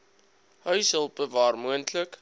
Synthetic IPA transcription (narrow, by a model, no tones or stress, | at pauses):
hœɥsɦəlˠpəvɑːrmuəntlək